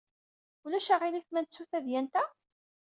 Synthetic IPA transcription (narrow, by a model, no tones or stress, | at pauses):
ulæʃaʁiliθmænt͡sːuθæðjænt̪æ